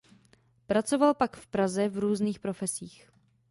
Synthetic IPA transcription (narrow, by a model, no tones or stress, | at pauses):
pɾat͡so̞valpakfpɾazɛvɾuːzniːxpɾo̞fɛsiːx